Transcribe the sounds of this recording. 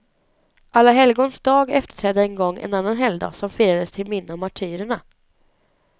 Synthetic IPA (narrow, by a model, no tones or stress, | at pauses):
ʔalːaɦɛlɡoːnsd̪ɑːɡɛft̪ə̥ʈʰɾɛːd̪ːəɛnɡɔŋːɛ̰nanːanɦɛld̪a̰sɔmfiːɾad̪əst̪ʰɪlmɪnːəɔmːaʈʰyːɾəɳa